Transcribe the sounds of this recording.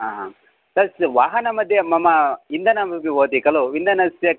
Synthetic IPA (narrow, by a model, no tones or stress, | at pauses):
aɦ | t̪ɐsʋaːɦɐnɐmɐd̪jemɐmɐind̪ɐnɐmɐpiʋoːt̪ikɐloʋind̪ɐnɐsjɐ